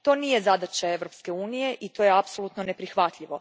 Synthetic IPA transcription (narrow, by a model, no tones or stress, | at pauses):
t̪o̞niːje̞zad̪at͡ɕae̞ʋɾo̞pske̞uːnije̞ʔit̪o̞ːjeapsolut̪none̞pɾixʋat̪ʎʲiʋo̞